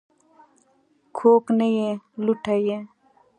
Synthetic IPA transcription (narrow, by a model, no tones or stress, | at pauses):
kʰoːknejeluʈʰaje